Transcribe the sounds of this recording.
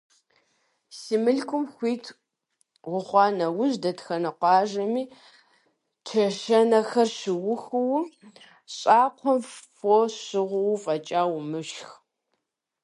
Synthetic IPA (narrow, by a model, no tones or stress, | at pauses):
simɨɬkʷʼʊmxʷiːtʰ | ʁʷʊχʷɑːnɐwʊʑdɐtxɐnɐqʷɑːʒɐmiː | tʰɐʃɐnɐxɐrɕɪwʊxɨwʊ | ɕʼaːqʷʰɔmfoɕɨʁʷʊwfʼɐt͡ʃʼaːwmɨɕx